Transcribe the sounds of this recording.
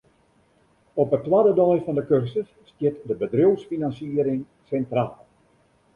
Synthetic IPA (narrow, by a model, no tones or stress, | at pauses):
ɔpətwadədɔjfɔndəkørsəsstjɪtdəbədrowsfinansiəɾɪŋ | sɛntraːlˠ